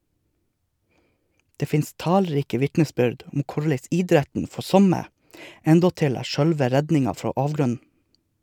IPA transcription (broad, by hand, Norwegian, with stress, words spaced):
ˈdeː ˈfɪnst ˈtɑːlˌɾiːkə ˈʋɪtnəˌsbʏɖ ˈʊm ˈkʊɭæɪs ˈɪdɾætən ˈfɔ ˈsɔmə ˈɛndɔtɪl ˈæː ˈʃœɽʋə ˈɾɛdnɪŋɑ ˈfɾoː ˈɑːʋɡɾʉnn̩